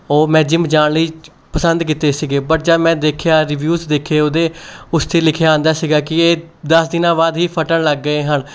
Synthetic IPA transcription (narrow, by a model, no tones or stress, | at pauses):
oːmɛ̃ːd͡ʒɪmd͡ʒaːɳləiː | pəsənd̪kiːt̪eːsiːɡeːpəʈ̚d͡ʒaːmɛ̃ːd̪eːkʰejaːɾɪʋjuːzd̪eːkʰeːʊd̪eːʊst̪ʰeːlɪkʰejaãːnd̪aːsiːɡaːkɪeː | d̪əsd̪ɪnãːbaːd̪ɦiːpʰəʈəɳləɡːəeːɦəɳ